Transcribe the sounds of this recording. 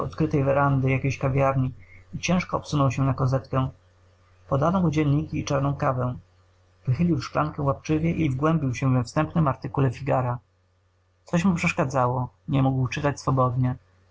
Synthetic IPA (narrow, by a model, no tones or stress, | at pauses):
ɔ̰t̪kɾɘt̪ɛjvɛɾand̪ɘjakʲeɕkavʲjaɾɲiit͡ɕɛ̃ʂkɔːpsunɔwɕɛnakɔzɛt̪kɛ | pɔd̪anɔud͡ʑɛnʲɲikʲiːt͡ʂaɾnɔ̃w̃kavɛ̃ | vɘxɘlʲiwʂklaŋkɛwapt͡ʂɘvʲjɛʔivɡwɛmbʲiwɕɛvɛfst̪ɛmpnɘmaɾt̪ɘkulɛfʲiɡaɾa | t̪sɔɕmupʂɛʂkad̪zawɔ | ɲɛmuɡwt͡ʂɘt̪at͡ɕsfɔbɔd̪ɲɛ